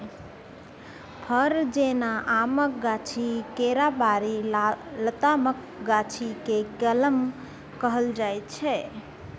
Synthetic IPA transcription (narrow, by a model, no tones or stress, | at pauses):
pʰəɾd͡ʒenaʔamək̚ɡat͡ʃʰikeɾabaɾilət̪amək | ɡat͡ʃʰikekələm | kəɦəld͡ʒajt̪t͡ʃʰɛ